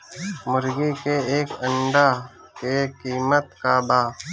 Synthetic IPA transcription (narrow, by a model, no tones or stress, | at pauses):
mʊɾɡikeeːkəɳɖa | kekiːmət̪kabaː